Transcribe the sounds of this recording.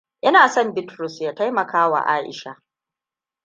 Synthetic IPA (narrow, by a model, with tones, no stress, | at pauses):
ʔɪ˦naː˨sɔ˦mbɪ˦tɾʊ˨sjaː˦ta˦jmɐ˨kaː˦wa̰˨ʔa̰ː˦ʔɪ̰˨ʃa˦